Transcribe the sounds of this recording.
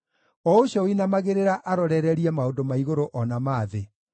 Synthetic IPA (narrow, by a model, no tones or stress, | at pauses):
ɔoɕɔinamaɣeɾeɾaʔaɾɔɾɛɾɛɾiɛmaondomaiɣoɾoʔɔnamaːðe